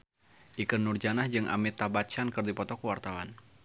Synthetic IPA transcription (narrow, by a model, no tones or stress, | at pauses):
ʔikənːurd͡ʒanahd͡ʒɨŋʔa̰mit̪abat͡ʃankɨrdipɔt̪ɔkəwart̪awan